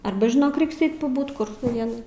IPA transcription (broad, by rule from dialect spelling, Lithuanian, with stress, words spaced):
ˈɐrbɐ ʒʲɪˈnoːk ˈrʲɛɪks ˈɛɪt pɐˈbuːt kʊr tɐʊ ˈʋʲiɛnɐɪ